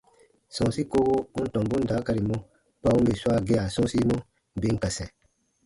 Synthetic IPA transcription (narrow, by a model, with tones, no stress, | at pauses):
sɔ̃˨si˦ko˦bo˦u˦n̩˦tɔ̃˨mbũ˦n˦daː˨˦ka˧ɾi˨mõ˦ | pa˦ũ˦be˨swa˦ɡɛ˧a˨sɔ̃˦si˦mõ˦ | be˨˦ŋ̩˦ka˨sɛ̃˨